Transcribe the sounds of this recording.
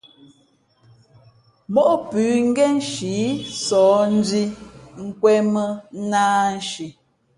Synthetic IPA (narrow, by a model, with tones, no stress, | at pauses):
mɔ˦ʔpʉː˨˦ŋ̩˦ɡɛ˦n̩˦ʃiː˨˦sɔː˨˦n̩˦d͡zi˦ŋ̩˦kwɛ˦mə˦naː˦n̩˦ʃi˨